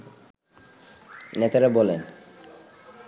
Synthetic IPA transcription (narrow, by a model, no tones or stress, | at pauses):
net̪aɾabɔlen